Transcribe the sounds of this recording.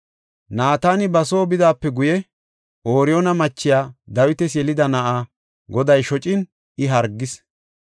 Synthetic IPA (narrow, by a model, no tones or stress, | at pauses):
naːt̪aːnɪbɐso̞ːbɪd̪aːpːɛɡʊjɛ | ʔoːɾɪjonɐmɐt͡ʃːɪjaːd̪ɐwɪt̪ɛsjɛlɪd̪ɐnɐʔaː | ɡɔd̪ɐjʃɔt͡ʃʼɪn | ɪɦɐɾɡːɪs